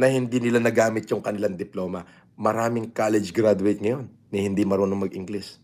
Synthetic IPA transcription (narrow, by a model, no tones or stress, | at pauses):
nɐhɪnd̪iːnɪlanɐɡaːmɪt̪̚jʊŋkɐnɪlaŋd̪ɪplo̞ːmɐ | mɐɾaːmɪŋkaːlɛd͡ʒɡɾad̪ʊɛt̪̚ŋɐjo̞nːɐhɪnd̪imɐɾonoŋmɐɡʔɪŋɡlis